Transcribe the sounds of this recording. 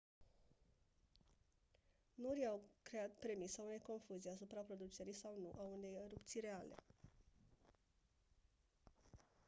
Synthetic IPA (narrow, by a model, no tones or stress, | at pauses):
nuɾjawkɾe̞at̪pɾe̞misaune̞jko̞nfuzijasupɾapɾo̞d̪ut͡ʃe̞ɾijsawnuʔaune̞jɾupt̪sijɾe̞ale̞̰